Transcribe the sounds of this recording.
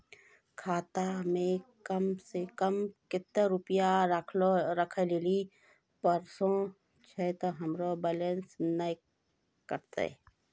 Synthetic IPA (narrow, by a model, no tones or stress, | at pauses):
kʰaːt̪amẽkəmsekəmkɪt̪ːəɾʊpjakʰloɾəkʰəleːli | pəɾsõ | t͡ʃʰɛt̪oɦɐmɾobɛlə̃nsnəj | kəɾt̪ḛ